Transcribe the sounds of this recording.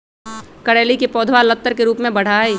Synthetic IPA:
kɐɽeːlikepɔːd̪ʱʋalət̪ːəɾkeɾuːpmẽbɐɽ̤aːiː

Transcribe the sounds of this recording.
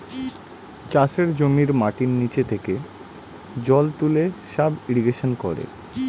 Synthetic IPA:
t͡ɕaʃeɾd͡ʑomiɾmaʈinːit͡ɕet̪ʰeke | d͡ʑɔlt̪uleʃabiɾiɡeʃonkɔɾḛ

